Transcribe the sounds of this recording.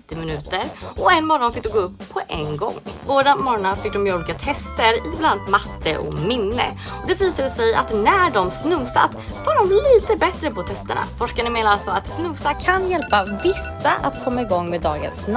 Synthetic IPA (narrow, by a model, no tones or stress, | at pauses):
t̪ːɪmɪnʉ̟ːt̪əɾɔɛnːmɔɾɔnfɪkd̪ɵɡoːɵpʰːɔʔɛnɡɔ̰ŋːvoːɾamɔɾɔnafɪk̚d̪ɔmjɛuːliːkat̪ʰɛst̪əɾɪbland̪mat̪ʰːə̰ʔɔ̰mɪnːə̰ | ɔd̪ɛviːsad̪əsɛja̰t̪næɖɔmsnɵːsa̰t̪ | vaɖɔmliːt̪əbɛt̪ɾəpʰɔt̪ʰɛst̪əɳa̰fɔʂkanəmeːnaalsɔat̪snʉsakʰanjɛlpavɪsːaʔa̰t̪kʰɔmːaɪɡɔŋːmeːd̪ɑːɡə̰nsn